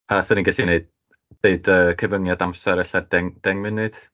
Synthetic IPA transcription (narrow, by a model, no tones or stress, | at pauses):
asəniŋɡɪɬineɨd̚ː | eɨdəkʰəvəŋjadamsɛɾɛɬadɛŋd̥ɛŋmɪnɨd̥